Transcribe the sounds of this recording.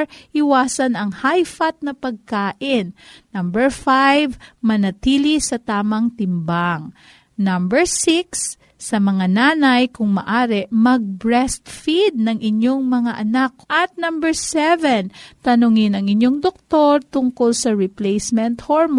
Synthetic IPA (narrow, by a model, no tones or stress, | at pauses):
ʔɪwaːsɐnɐŋhajfɐt̪̚nɐpɐɡ̚kaːʔɪnːɐmbɛɹfajvmɐnɐt̪iːlisɐt̪aːmɐŋt̪ɪmbaŋ | nɐmbɛɹsɪksː | ɐmɐŋanaːnɐjkʊŋmɐ̰ʔaːɾɛmɐɡ̚bɹɛst̪fid̪̚nɐŋʔɪɲoŋmɐŋaʔɐnak̚ʔɐt̪̚nɐmbɛɹsɛvɛnt̪ɐnʊŋɪnɐŋɪɲoŋd̪ok̚t̪o̞ɹt̪ʊŋkolsɐɹɪplɛjsmɛnt̪hoɹm